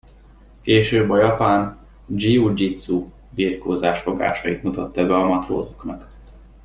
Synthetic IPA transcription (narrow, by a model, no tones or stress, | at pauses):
keːʃøːbɒjɒpaːn | d͡ʒiud͡ʒit̪su | biːrkoːzaːʃfo̞ɡa̰ːʃɒjit̪mut̪ɒt̪ːɛbɛɒmɒt̪ro̰ːzoknɒk